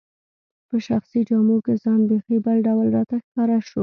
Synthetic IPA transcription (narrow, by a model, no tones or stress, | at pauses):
pəʃaxsid͡ʒɑmukezɑnbexibəlɖawlɾɑt̪axkɑɾaʃo